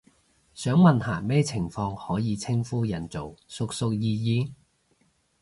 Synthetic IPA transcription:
sœː˨˥ŋmɐ˨nhaː˨˩mɛː˥t͡sʰɪ˨˩ŋfɔː˧ŋhɔː˨˥jiː˨˧t͡sʰɪ˥ŋfuː˥jɐ˨˩nt͡so˨wsʊ˨k̚sʊ˧k̚jiː˧jiː˧

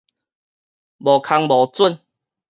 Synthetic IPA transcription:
bɔ˨˩kʰa˧ŋbɔ˨˩t͡su˥˨n

